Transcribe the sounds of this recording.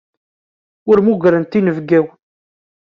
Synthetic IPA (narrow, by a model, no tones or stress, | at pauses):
ʊɾmuɡɾənt̪inəvɡæw